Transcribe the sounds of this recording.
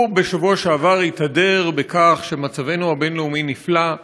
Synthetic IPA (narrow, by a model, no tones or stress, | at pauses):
be̞ʃavuaʃaːvaʁitadeʁbekaχʃe̞mat͡save̞nuabe̞nleuminifla